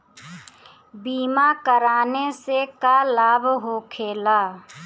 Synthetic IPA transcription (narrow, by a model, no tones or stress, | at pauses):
biːmakəɾaːnesekalaːbʱɦokʰeːlaː